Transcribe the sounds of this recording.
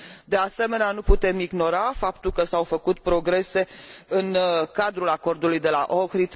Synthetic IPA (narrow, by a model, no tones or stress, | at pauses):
d̪e̞ase̞me̞neanuput̪e̞miɡno̞ɾafapt̪ulkəsawfəkut̪pɾo̞ɡɾe̞se̞ɨnkad̪ɾulako̞rd̪ulujd̪e̞la̰ʔokɾit̪